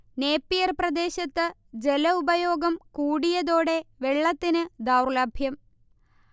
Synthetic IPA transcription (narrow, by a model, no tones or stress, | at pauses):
ne̞ːpːijɐrprɐd̪e̞ːɕɐt̪ːɨd͡ʑe̞lɐubɐjo̞ːɡɐmkuːɽijɐðoːɽe̞ʋe̞ɭːɐt̪ːinɨd̪aːwrlaːbʱjɐm